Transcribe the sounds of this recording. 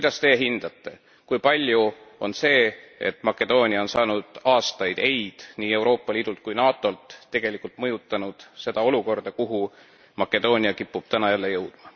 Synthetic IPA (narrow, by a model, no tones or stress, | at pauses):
kujd̪̥ɑst̪e̞ːɦind̪̥ɑt̪ːˑe̞ | kujpɑlʲjuo̞nse̞ːḛt̪ˑmɑkːˑe̞d̪̥o̞ːnʲiɑo̞nsɑːnud̪̥ɑːst̪ɑjd̪e̞jd̪̥niːe̞wɾo̞ːpːˑɑliːd̪ult̪̚kujnɑːt̪ˑo̞lt̪ːe̞ɡ̥e̞likːˑult̪mɤjut̪ːˑɑnud̪̥se̞d̪̥ɑo̞luko̞rd̪̥ɑkuɦu | mɑkːˑe̞d̪̥o̞ːnʲiɑkipːub̥̚t̪ænɑjælːe̞jɤwd̪̥mɑ